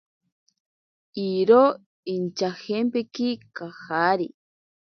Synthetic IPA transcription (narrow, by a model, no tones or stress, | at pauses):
iɾo | int͡ʃahempekikahaɾi